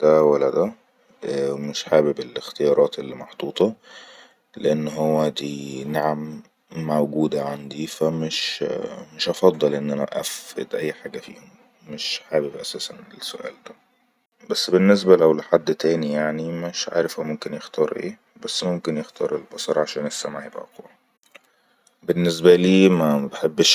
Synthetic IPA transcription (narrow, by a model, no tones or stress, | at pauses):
d̪̥æwælːæd̪æ | ʔæmeʃħaːbebelext̪ejɑːɾˤɑːt̪elːimɑħt̪ˤuːt̪ˤɑ | leʔenːɦowːæd̪iːnaʕamː | æwɡuːd̪æʕand̪ifæmeʃmeʃʔɑfɑd̪ˤːɑlʔenːʔænæ̰ʔæfḛd̪ʔæjːħaːɡæfḭːhom | meʃħaːbebʔæsæːsænesːoʔæ̰ːld̪æ | bæsːbenːes̬bælæwleħad̪ːt̪æːnijaʕnimʃʕa̰ːɾefʔowmomkenjext̪ʰɑːɾˤʔḛː | bæsːmomkenjext̪ʰɑ̰ːɾˤelbɑsˤɑɾˤʕaʃæːnesːæmaħjebʔæ̰quw | benːesbæliːmæbeħebːʃ